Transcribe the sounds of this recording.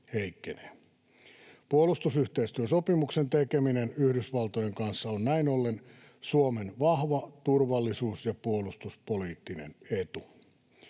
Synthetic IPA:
heikːeneː | puolːˑust̪usyht̪eist̪yøsopimuksent̪ekeminenyhdysʋɑlt̪ojeŋkɑnsːɑonnæinolːen | suomenʋɑhʋɑt̪urʋɑlːisuːsjɑpuolust̪uspoliːt̪ːinḛnet̪u

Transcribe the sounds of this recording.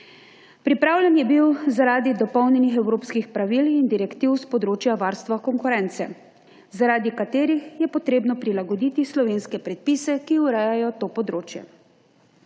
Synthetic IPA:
pɾipɾaːwlʲɛnjɛbiwzaɾaːd̪id̪ɔpɔwnʲjɛnixɛwɾoːpskixpɾaʋilind̪iɾɛkt̪iwspɔd̪ɾoːt͡ʃjaʋaːɾst̪ʋakɔŋkuɾɛnt̪sɛ̰ | zaɾaːd̪ikat̪eːɾixjɛpɔt̪ɾeːbnɔpɾilaɡɔd̪iːt̪islɔʋeːnskɛpɾɛt̪̚pisɛkiuɾɛːjajɔt̪oːpɔd̪ɾoːt͡ʃjɛ̰

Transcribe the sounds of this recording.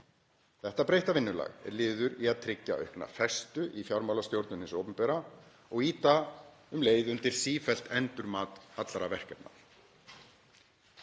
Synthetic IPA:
θɛht̪apɾejht̪avɪnːʏla̰ɣɛ̰ɾlɪːðʏɾiaðt̪ʰɾɪcːa̰ʔœ̰ɥhkna̰fɛst̪ʏʔifjawɾmawlast̪jowɾt̪nʏnhɪnsowpʏmpɛːɾa | ɔɣiːt̪aʏmleːjðʏnt̪ɪɾ̥siːfɛl̥t̪ɛnt̪ʏɾmaːt̪at̪laɾavɛr̥cɛpna̰

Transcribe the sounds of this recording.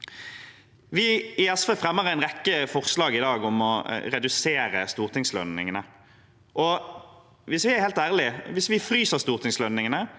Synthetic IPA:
ʋɪɪɛsʋefʁɛmːəʁæɪnʁɛkːəfɔʁslɑːɡɪd̪ɑːɡɔmɔʁɛd̪ʉseːɾəst̪uːʁt̪ʰɪŋslœ̰nːɪ̰ŋənə | ʔɔ | ʋɪsʋɪæɾheːlt̪æːʁlɪʋɪsʋɪfʁyːsəʁst̪uːʁt̪ʰɪŋslœnːɪŋənə

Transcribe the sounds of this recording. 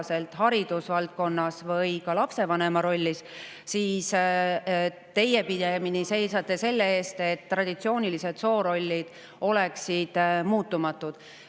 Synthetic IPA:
se̞lt̪ˑhɑɾid̪usvɑlt̪̚ko̞nːɑsvɤjkɑlɑpse̞vɑne̞mɑɾo̞lʲːis | siːs | t̪e̞je̞pid̪e̞minise̞jsɑt̪ːˑe̞se̞lːe̞e̞ːst̪e̞t̪ːrɑd̪̥it̪sio̞ːnʲilise̞d̪̥so̞ːɾo̞lʲːid̪̥ | o̞leksid̪̥muːt̪ːˑumɑt̪ːˑud̪̥

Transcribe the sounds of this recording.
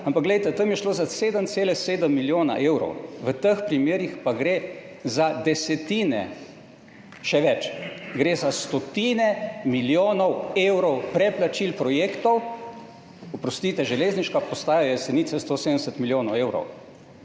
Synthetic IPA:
ampakɡlɛjt̪ɛt̪əmjɛʃloːzaseːd̪ənt̪seːlɛseːd̪əmːiljoːna̰ʔewɾɔ̰wʋət̪əxpɾimeːɾixpaɡɾe | zad̪ɛsɛt̪iːnɛ̰ | ʃɛʋɛt͡ʃɡɾeːzast̪ɔt̪iːnɛmiljoːnɔwewɾɔwpɾɛplat͡ʃilpɾɔjeːkt̪ɔw | ɔpɾɔst̪it̪ɛʒɛlezniʃkapɔst̪aːjajɛsɛniːt̪sɛst̪osed̪ənɛsət̪miljoːnɔweːwɾɔ̰w

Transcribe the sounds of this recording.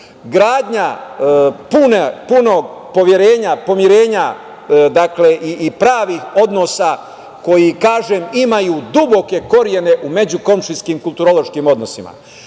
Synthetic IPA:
ɡɾaːd̪ɲa | punepuno̞ːɡpo̞ʋjeɾeːɲapo̞mjiɾe̞ːɲa | d̪akle̞ʔiːpɾaːʋiho̞d̪no̞sa | ko̞jikaːʒemimajuːd̪ubo̞ke̞ko̞ɾje̞ne̞ʔume̞d͡ʑuko̞mʃiskiːmkulˠt̪uɾolo̞ʃkiːmo̞d̪no̞sima̰

